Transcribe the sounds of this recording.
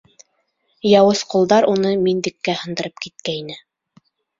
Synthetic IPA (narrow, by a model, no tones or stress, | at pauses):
jɑwɤsqulˠd̪ɑɾunɤmind̪ɘ̆kːæhɤ̆nd̪ɤ̆ɾɤp̚kit̪̚kæinɘ